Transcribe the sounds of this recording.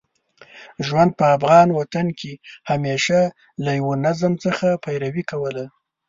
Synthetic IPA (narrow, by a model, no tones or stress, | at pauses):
ʒwand̪̚pəafɣɑnwat̪ankehameʃa | lajawonazəmt͡səxapajɾawikawəla